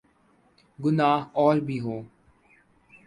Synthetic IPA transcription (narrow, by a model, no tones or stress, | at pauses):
ɡʊnaːɦɔːɾbʱiːɦoː